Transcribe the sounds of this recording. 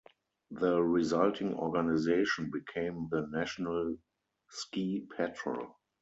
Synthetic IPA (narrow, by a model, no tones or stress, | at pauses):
ðəɹizaltʰɪ̃ŋɔ̰ɡanɪzeɪʃɔ̃nbikʰẽɪ̃mðənæʃonal | skiːpʰɛtʰɹə̰l